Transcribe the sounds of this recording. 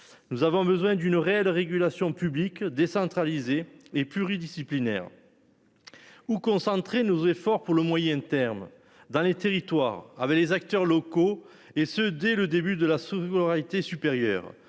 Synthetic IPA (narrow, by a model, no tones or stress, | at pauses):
nuzavɔ̃bəzwɛ̃d̪ynəʁeɛlʁeɡylasjɔ̃pyblikd̪esɑ̃t̪χalizeːplyʁid̪isiplinɛ̰ʁ | ukɔ̃sɑ̃t̪χenozefɔʁpuʁləmwajɛ̃t̪ɛʁm | d̪ɑ̃let̪eʁit̪wa̰ʁa̰vɛklezak̚t̪œʁlɔko | esød̪ɛləd̪ebyd̪əlasooʁait̪esypeʁjœ̰ʁ